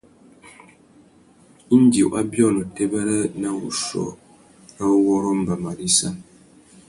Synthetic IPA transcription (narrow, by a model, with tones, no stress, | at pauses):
n̩˦d͡ʒi˨ʔa˦bjɔ˦˨no˨te˦bə˦ɾə˦na˦ṵ˨ʃɔ̰˨ | a˦wɔ˦ɾo˦m̩˦˨ba˨ma˨ɾi˦sa˦˨n